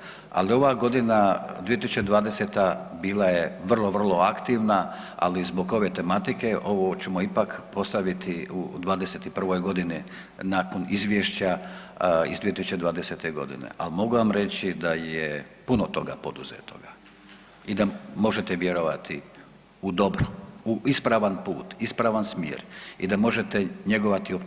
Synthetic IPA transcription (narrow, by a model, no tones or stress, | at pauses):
a̰lio̞ʋaɡo̞d̪inad̪ʋijet̪isu̥t͡ʃed̪ʋaːd̪ese̞t̪a | biːlajeʋr̩lˠo̞ʋr̩lˠo̞akt̪iʋna | a̰lizbo̞ɡo̞ʋe̞t̪e̞mat̪ike̞ʔo̞ʋo̞t͡ɕemoipakpo̞st̪aʋit̪ʰiud̪ʋaːd̪eset̪ipr̩ʋojɡo̞d̪ini | naːko̞nizʋjeʃt͡ɕa | ḭzd̪iet̪isu̥t͡ʃed̪ʋaːd̪ese̞t̪e̞ɡo̞̰d̪ḭnḛʔa̰limo̞ɡuʋamɾe̞t͡ɕid̪ajepunot̪o̞ɡa̰po̞d̪uzḛt̪o̞̰ɡa | id̪amo̞ʒe̞t̪eʋje̞ɾoʋat̪ʰi | ud̪o̞bɾouʔispɾaʋanpṵːt̪ispɾaʋansmjḛɾid̪amo̞ʒet̪eɲe̞ɡo̞ʋat̪iop